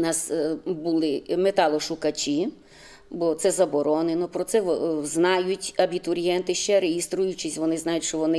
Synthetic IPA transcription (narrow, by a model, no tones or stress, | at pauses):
nɑsbʊlˠɪmet̪ɑlˠɔʃʊkɐt͡ʃʲi | bɔt̪sɛzɐbɔɾɔnenɔpɾɔt̪sɛɔznɑjʊtʲɐbʲit̪ʊɾʲijɛnt̪ɪʃt͡ʃɛɾejist̪ɾʊjʊt͡ʃɪsʲʋɔnɪznɑjʊt̪ʲʃt͡ʃɔʋɔnɪ